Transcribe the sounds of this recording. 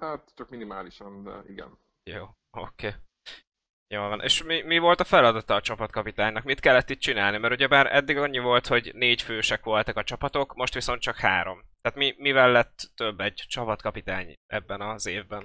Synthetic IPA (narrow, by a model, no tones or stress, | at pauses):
hat̪t͡ʃɒkminimaːliʃɒnd̪ɛ̰iɡɛ̰n | joː | o̰kʰeː | joːlvɒnʔḛːʃmimivo̞lt̪ɒfɛlɒd̪ɒt̪ɒːt͡ʃɒpɒt̪kɒpit̪aːɲnɒkmit̪kɛlːɛt̪ːiːt̪̚t͡ʃinaːlnimɛɾuɟɛbaːɾɛ̰d̪ːiɡɒɲːivo̞lt̪ho̞ɟneːɟføːʃɛkʋo̞lt̪ɒkɒt͡ʃɒpɒt̪o̞kmo̞ʃt̪ʋiso̞nt̪̚t͡ʃɒkhaːɾo̞mt̪ɛːt̪mimivɛlːɛt̪ːøbːɛɟt͡ʃɒpɒt̪kɒpit̪aːɲʔɛ̰bːɛnɒzeːvbɛn